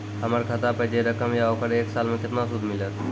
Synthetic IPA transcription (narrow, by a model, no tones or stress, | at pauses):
ɦəməɾkʰət̪apəɦd͡ʒeɾəkəmjaokəɾeːksaːlmẽkɪt̪nasʊd̪ʱmɪlət̪